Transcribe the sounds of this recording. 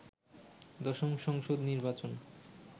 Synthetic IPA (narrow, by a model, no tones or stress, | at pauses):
d̪ɔʃomʃɔŋʃod̪niɾbat͡ɕon